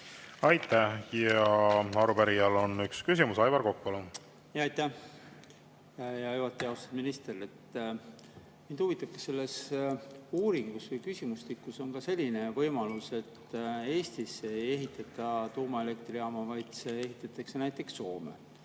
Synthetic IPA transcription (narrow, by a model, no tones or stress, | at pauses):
ɑjt̪ːˑæhjɑɑɾupæɾijɑlo̞nykskysimusɑjvɑɾko̞kːuolu | jɑɑjt̪ːæ | jɑjuɑt̪ːˑiɑost̪ɑ̥d̪minist̪e̞re̞t̪ː | mind̪uvit̪ːˑɑb̥̚kɑ̥se̞lːe̞s | uːɾiŋɡ̥usvɤjkysimuslikːˑuso̞nkɑse̞lʲːine̞vɤjmɑluse̞t̪ːe̞ːst̪ise̞je̞ɦit̪ːˑɑt̪ːˑɑt̪uːmɑe̞le̞k̚t̪riɑmɑvɑjd̪̥se̞e̞ɦit̪ːˑɑt̪ːˑɑksenæjt̪ːˑe̞ksːo̞ːmḛ